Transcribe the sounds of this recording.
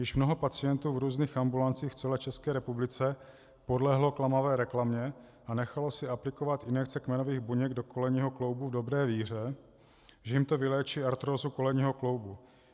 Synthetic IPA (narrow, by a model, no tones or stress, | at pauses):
jɪʃmno̞ɦo̞pat͡sɪjɛnt̪uːvɾuːzniːxʔambulant͡siːxft͡sɛlɛːt͡ʃɛskɛːɾɛpublɪt͡sɛ | po̞dlɛɦlo̞klamavɛːɾɛklamɲɛ | ʔanɛxalo̞sɪaplɪkovat̪ʔɪnɛk̚t͡sɛkmɛnoviːɣbuɲɛɡdo̞ko̞lɛɲiːɦo̞klo̞wbuvdo̞bɾɛːviːr̝ɛ | ʒɛjɪmt̪o̞vɪlɛːt͡ʃiːaɾt̪ɾozuko̞lɛɲiːɦoklo̞wbu